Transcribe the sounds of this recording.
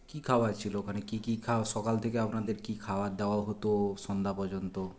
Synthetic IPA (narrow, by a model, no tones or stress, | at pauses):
kikʰaoat͡ɕʰilokʰanekikikʰaʃɔkalt̪ʰekeapnad̪eɾkikʰaoad̪eoaɦot̪oʃɔnd̪ʱapɔɾd͡ʑont̪o